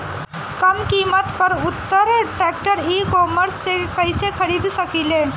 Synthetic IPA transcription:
kɐmkiːmət̪pɐɾʊt̪ːəɾʈɛːk̚ʈəɾiːkɔːməɾsːekɐisexʰɐɾiːd̪sɐkileː

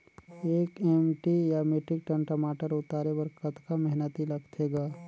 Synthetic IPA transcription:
eːkemʈijameʈɾɪk̚ʈə̃ɳʈəmaːʈəɾʊt̪aːɾewɐɾkɐt̪kamɛɦnət̪ilɐɡt̪ʰeːɡaː

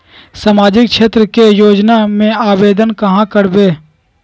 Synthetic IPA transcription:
samaːd͡ʒɪkʃeːt̪ɾəkejoːd͡ʒnamẽaːbeːd̪ənkɐɦãkəɾbeː

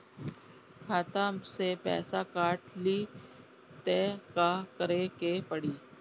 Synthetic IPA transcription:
kʰaːt̪amsepɛ̰ːsakaːʈliː | t̪eːkakəɾekepəɽiː

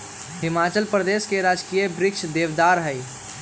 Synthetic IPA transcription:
ɦɪmat͡ʃəlpɾəd̪eskeɾad͡ʒkijəbɾɪkʃd̪eʋd̪aːɾɦəj

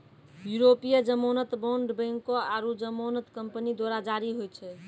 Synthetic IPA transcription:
juɾopijəd͡ʒəmonət̪boɳɖbə̃ŋkɔaɾud͡ʒəmonət̪kəmpənid̪waɾad͡ʒaɾiɦojt͡ʃʰɛ

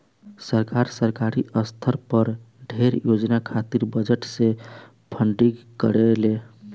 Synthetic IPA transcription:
səɾkaɾsəɾkaɾiʔəst̪ʰəɾpəɾ | ɖʱeɾjod͡ʒnakʰat̪iɾbəd͡ʒəʈse | pʰəɳɖiɡkəɾele

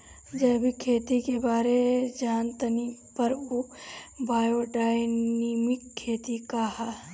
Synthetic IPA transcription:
d͡ʒɐbʱikʰeːt̪ikebaːɾed͡ʒaːnt̪ɐnipɐɾubaːjoɖaːjniːmɪkʰːeːt̪ikaɦa

